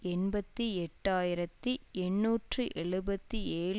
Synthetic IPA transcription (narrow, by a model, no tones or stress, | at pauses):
ɛnbɐt̪ːiɛʈːaːjɪɾɐt̪ːiɛɳːuːʈrɯʔɛɭɯbɐt̪ːieːɭ